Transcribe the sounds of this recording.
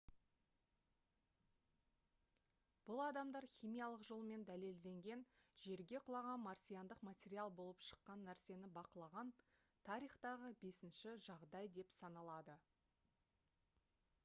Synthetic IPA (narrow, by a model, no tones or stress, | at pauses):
b̥ʊlˠɑd̪ɑmd̪ɑɾχʲijmijɑlˠəqʒo̞lˠəme̞nd̪æle̞ld̪e̞ŋɡʲe̞nʒe̞ɾɡʲe̞qʰʊlˠɑʁɑnmɑɾsʲijand̪əqmat̪ʲe̞ɾialˠbo̞lˠəpʃə̥qːɑnːæɾse̞nɪbɑqəlˠɑʁɑn | t̪ʰɑɾijχt̪ɑʁəbe̞sɪnʃɪʒɑʁd̪ɑjd̪e̞psɑnɑlˠɑd̪ə